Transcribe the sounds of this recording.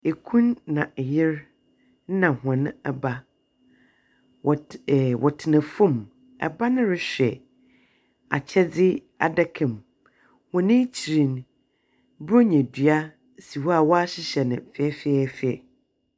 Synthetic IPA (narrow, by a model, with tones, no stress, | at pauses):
e˨kʰũ˦nːã˨jɪ˦ɾ | n̩˦nã˨hã˨nʊ̃˦ɛ˨ba˦˨ | wʔɔ̰˨tʰɪ˨nɪ̃˨fʊ̃˦˨m | ɛ̰˨ba˦nɪ̃˦ɾɪ˦ɕᶣɛ˨ | a̰˨t͡ɕʰɛ˦d͡zɪ˦ | a̰˨da˦kʰɛ̃˨m | hɔ̃˨nɪ̃˦t͡ɕʰi˨ɾĩ˨n | bo˦ɲɛ̃˨dɥa˦ | si˨wɔ˦a˨wɔ˦a˦ɕɪ˦ɕɛ˨nɪ̰̃˨fɛ˨ɛ˦fɛ˦˨fi˦ɛ˨